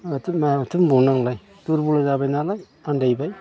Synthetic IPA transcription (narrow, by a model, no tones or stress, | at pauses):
tmtʰɯmbunaŋlaj | tuɾbulazabajnalaj | andajbaj